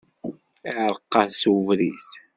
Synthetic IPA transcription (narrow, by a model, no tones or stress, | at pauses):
ʕɾqːɑθsuvɾis